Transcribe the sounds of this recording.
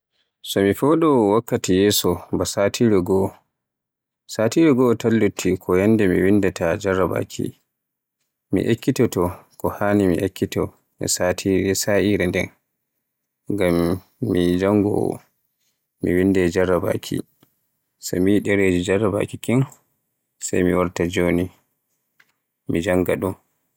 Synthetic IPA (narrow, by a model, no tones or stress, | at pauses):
sɔmifɔɗɔwakːatijɛsɔbasatʰiɾɛɡɔ | satiɾɛɡɔtalːutʰːikʰɔjandɛmḭwindɛtad͡ʒarːaba̰kʰḭ | mḭʔekːitɔtɔkɔhaːnimḭʔekːitɔ | ɛ̰satʰiɾɛsaʔiɾɛndɛn | ɡamː | id͡ʒaŋɡɔ̰ | mḭwindɛd͡ʒaɾːaba̰kʰḭ | samijɗɛɾed͡ʒid͡ʒarːaba̰kikin | sa̰jmiwaɾtad͡ʒoni | mid͡ʒaŋɡaɗun